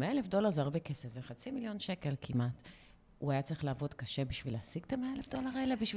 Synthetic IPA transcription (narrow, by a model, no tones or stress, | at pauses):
meaelefdo̞laʁzaʁbekesefzeχat͡similjo̞nʃe̞ke̞lkʰimat | uajat͡saʁiχlaːvo̞dkaʃe̞biʃvileasiɡt̪ameaelefd̪o̞laʁelebiʃv